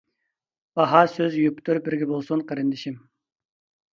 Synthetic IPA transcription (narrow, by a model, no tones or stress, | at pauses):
b̥ɑɦɑsøzjypt̪ʰuɾ̚bɪɾɡʲɛbolˠsunqʰəɾɨnd̪ɪʃim